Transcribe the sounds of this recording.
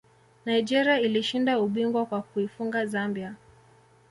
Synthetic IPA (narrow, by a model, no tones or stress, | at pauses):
naid͡ʒɛɾiailiʃindauɓiŋɡwakwakuifuŋɡazambia